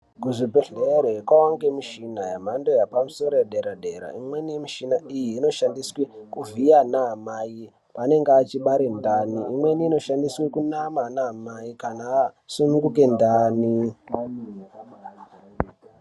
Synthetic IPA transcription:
kuʐibʱeɮeɾoekwawaŋɡemiʃinajam̤ando̞japamuso̞ɾojaɗe̞ɾaɗe̞ɾa̰imwe̞nijemiʃinaʔijiːno̞ʃandiswekuvijanaːmaji | pane̞ŋɡat͡ʃiɓaɾendaniːmwe̞niːno̞ʃandiswekunamanamajikanaːsunuŋɡuke̞ndaːni

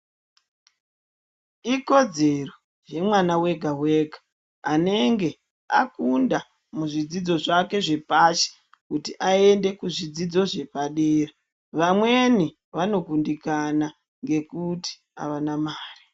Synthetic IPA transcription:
iko̞d͡ze̞ro̞ | je̞mwanawe̞ɡʱawe̞ːɡʱa | ane̞ŋɡe̞ | akunda | muʐid͡zid͡zo̞ʐake̞ʐe̞paʃe̥ | kutiʔae̞nde̞kuʐid͡zid͡zo̞ʐe̞paɗeːra | ʋamwe̞ni | ʋano̞kundikana | ŋɡe̞kuti̥ | a̰ʋanamaːri

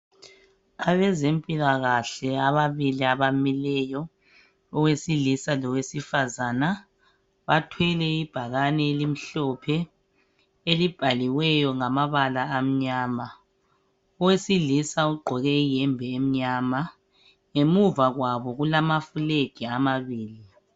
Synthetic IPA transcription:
aβɛzempʼilaɣaɬɛaβaβiliaβamilɛjɔ | ɔwesiɮisalɔwesifazaːna | βatʰwɛlɛib̥ʱaɣanɛːlim̩ɬɔpʰɛ | elib̥ʱaliwɛjɔŋamaβalaːm̩ɲaːma | ɔwesiɮisauɡ͡ǃʱɔɣɛjɛmbʱɛem̩ɲaːma | ŋemuvaɣwaβɔɣulamafuleɡ̥ʱiamaβiːli

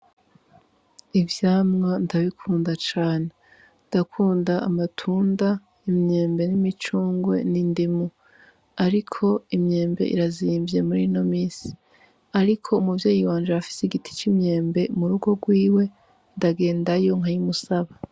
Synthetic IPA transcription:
ivjaːmŋandaβikʰuːndat͡ʃaːne | ndakʰuːndaamatʰuːnda | imɲe̞ːmbe̞nimit͡ʃuːŋɡwe̞̰nindimu | aɾikʰo̞imɲe̞ːmbe̞̰ʔḭɾaziːmvje̞muɾino̞miːsi̥ | aɾikʰo̞umuvjeːjiwaːnd͡ʒeafi̥seiɡitʰi̥t͡ʃimɲe̞ːmbe̞muɾuɡo̞ɡwiːwe̞ | ndaɡe̞ːndajo̞ŋɦajumusaβa

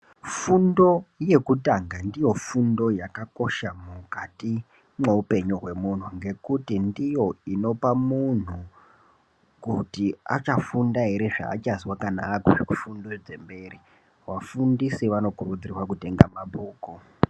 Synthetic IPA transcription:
fundo̞je̞kutaŋɡandijo̞fundo̞jakako̞ʃamukati | me̞upe̞ɲuɦwe̞mun̤uŋɡe̞kutindijo̞ino̞pamun̤u | kutia̰t͡ʃafundaɦe̞ɾe̞ʐa̰ːt͡ʃazwakanaːkuʐikufundod͡ze̞mbe̞ːri | wafundisiʋano̞kurud͡zirwakute̞ŋɡamabuːko

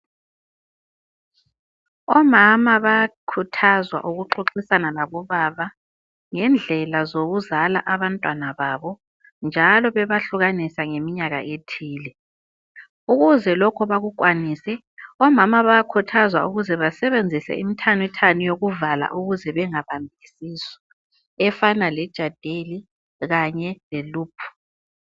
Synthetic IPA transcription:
ɔmamaβakʰutʰazwa̰ʔuɣuǃuǁisanalaβɔβaβa | ŋɛnd͡ɮʱɛlazoɣuzalaʔaβantʼwanaβaːβɔ | nd͡ʒʱalɔβɛβaɬuɣanisaŋemiɲaɣa̰ʔetʰiːlɛ | uɣuzɛlɔkʰɔβaɣukʼwaniːsɛ | ɔmamaβajakʰutʰazwa̰uɣuzɛβasɛβend͡zʱisɛ̰ḭmitʰanwitʰanujoɣuvala̰ʔuɣuzɛβɛŋaβambʱiisiːsɔ̥ | ɛfanalɛd̥ʒ̥ʱad̥ʱeli | ɣaɲɛleluːpʰu̥

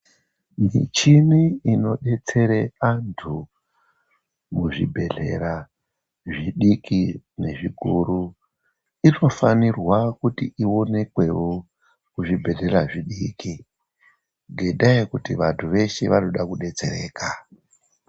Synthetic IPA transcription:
mḭt͡ʃiniino̞ɗe̞t͡se̞ɾeantʰu | muʐḭbʱe̞ɮe̞̰ɾa | ʐiɗikʰine̞ʐikuɾu | ino̞fanirwakutiʔio̞ne̞kwe̞wo̞ | kuʐibʱe̞ɮe̞raʐiɗiki | ŋɡeɗaikutiʋantʰuʋe̞ʃeʋano̞ɗakuɗe̞t͡se̞ɾe̞̰ːka

